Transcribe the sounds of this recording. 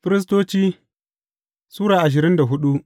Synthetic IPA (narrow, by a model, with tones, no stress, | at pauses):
fɪ˦ɾɪ˦s̬toː˦t͡ʃiː˦ | suː˦ɽaː˨ʔa˨ʃ̬ɪ˨ɾɪ˦nda˨ɦʊ˦ɗu˦ʔ